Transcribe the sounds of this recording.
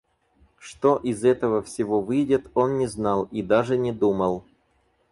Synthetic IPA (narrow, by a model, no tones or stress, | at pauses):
ʂt̪o̞ʔɪzɛt̪əvəfsʲɪvovɨjdʲɪt̪o̞nnʲɪznɑlˠid̪aʐɨnʲɪd̪uməlˠ